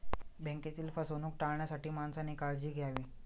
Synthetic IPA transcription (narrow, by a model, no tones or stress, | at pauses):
bɛ̃ŋket̪iːlfəsonuːk̚ʈaɭɳjasaʈiːmansaniːkaɾd͡ʑiːɡʱjaʋiː